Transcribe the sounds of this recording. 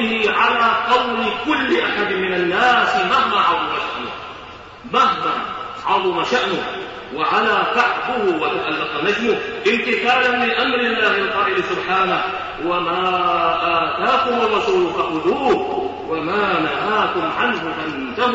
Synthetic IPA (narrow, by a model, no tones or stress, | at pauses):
ɪhɪʕalaːqɑwlɪkʊlːɪʔaħad̪mɪnanːaːsɪmahmaʕɑðˤʊmaʃɪ̰ | mahmaʕɑðˤʊmaʃaʔnʊh | waʕalaːkaħkʊhʊwat̪aʔalːɑq̪ɑnasmʊhʔɪnt̪ɪθaːlanmɪʔamɾɪalːaːmɪnqɑːʔɪlɪsʊbħaːnah | wamaːʔaːt̪aːkʊmʊwasuqaʔʊluːh | wamaːnaɦaːkʊmʕanɦʊfaʔɪnt̪ah